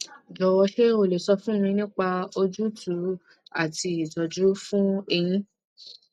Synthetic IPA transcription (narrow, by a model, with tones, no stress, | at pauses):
d͡ʒɔ˨˧˨wɔ˧ʃe˦o˦˨le˨sɔ˧fũ˦ĩ˧nĩ˦k͡pa˧o˧d͡ʒu˦tʰu˨˦ | a̰˦˨ti˧˦i˨d͡ʒɔ˨d͡ʒu˦fũ˦e˧j̃ĩ˦